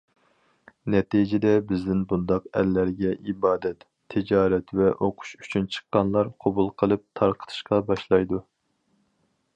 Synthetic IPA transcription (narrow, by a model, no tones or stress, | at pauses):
nɛt̪ijd͡ʒɪd̪ɛbɪzd̪ɪnbund̪ɑqɛ̰lːæɾɡʲɛʔibɑːd̪ɛt̪ʰːɪd͡ʒɑːɾɛt̪vɛʔoqʰʊ̥ʃyt͡ʃʰynt͡ʃʰə̥qːɑnlˠɑɾqʰobulˠqʰəlˠɨp̚t̪ʰɑɾqʰə̥t̪ʰɨ̥ʃqɑbɑʃlˠɑjd̪u